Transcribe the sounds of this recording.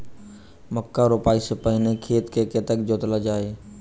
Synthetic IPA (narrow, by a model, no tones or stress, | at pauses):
məkːaɾopaːisepəɪnekʰeːt̪kʰeːket̪əkd͡ʒoːt̪lad͡ʒaːeː